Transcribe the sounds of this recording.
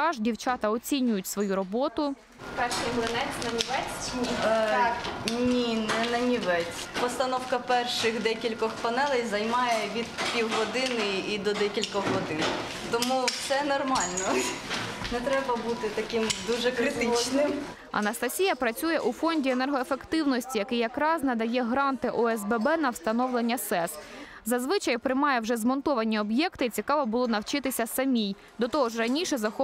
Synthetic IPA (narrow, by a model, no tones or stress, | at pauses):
ɑʒdʲiwt͡ʃɑt̪ɐɔt͡sʲinʲʊjʊtʲsʋɔjuɾɔbɔt̪ʊ | pɛrʃɪjɦlˠɪnɛt͡sʲnɐnʲiʋɛt͡sʲ | nʲinɛnɐnʲiʋɛt͡sʲ | pɔst̪ɐnɔwkɐpɛrʃɪxd̪ɛkʲilʲkɔxpɐnɛlˠɛjzɐjmɑjɛʋʲid̪̚pʲiwɦɔd̪ɪnɪid̪ɔd̪ɛkʲilʲkɔxɦɔd̪ɪn | t̪ɔmuwsɛnɔrmɑlʲnɔ | nɛt̪ɾɛbɐbut̪ɪt̪ɐkɪmd̪uʒɛkɾɪt̪ɪt͡ʃɔʒnɪm | ɐ̰nɐst̪ɐsʲijɐpɾɐt͡sʲujɛʔufɔnʲdʲienɛrɦɔefekt̪ɪwnɔsʲtʲijɐkɪjɐkɾɑznɐd̪ɐjɛɦɾɑnt̪ɪʔɔɛzbɛbɛnɐwst̪ɐnɔwlˠenʲːɐsɛszɐzʋɪt͡ʃɐjpɾɪmɑjɛwʒɛzmɔnt̪ɔʋɐnʲiɔbjɛkt̪ɪt͡sʲikɑʋɔbʊlˠɔnɐwt͡ʃɪt̪ɪsʲɐsɐmʲij | d̪ɔt̪ɔɦɔʒrɐnʲiʃɛzɐxɔ